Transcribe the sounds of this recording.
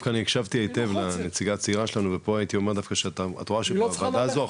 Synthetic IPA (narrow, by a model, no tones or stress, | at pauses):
fkaːniekʃavt̪iejt̪e̞vlanet͡siɡat͡siʁaʃelanuvepo̞ajit̪io̞meʁd̪afkaʃeataa̰t̪oʁaʃeavaazua